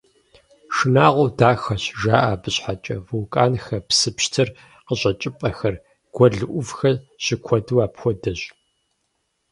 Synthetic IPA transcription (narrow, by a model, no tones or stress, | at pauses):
ʂɨnaːʁʷɔwdaːxɐɕʒaːʔaːbɨɕħat͡ʃʼɐ̰vuwkʼaːnxɐpsɨpɕtʰɨr | qəɕʼɐt͡ʃʼɪpʼɐxɐr | ɡ̥ʷɔɮɨʔʷʊvxɐɕɪkʷʰɔdɨwaːpxʷɔdɐʑ